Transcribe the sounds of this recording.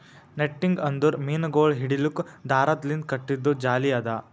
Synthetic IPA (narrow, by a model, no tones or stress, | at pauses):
neʈːiŋɡɐnd̪uɾmiːnɡoːɭɦiɽilukd̪ʱaːɾɐd̪lind̪̚kɐʈːid̪ːud͡ʒaːliɐd̪ɐ